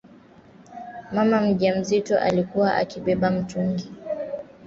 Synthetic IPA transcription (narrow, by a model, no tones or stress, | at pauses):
mamam̩ʄam̩zitɔ̰ʔalikuwaʔa̰kiɓɛɓam̩tuŋɡi